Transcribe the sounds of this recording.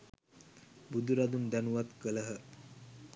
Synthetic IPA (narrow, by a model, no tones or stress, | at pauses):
bud̪uɾad̪und̪ænuʋat̪kələɦə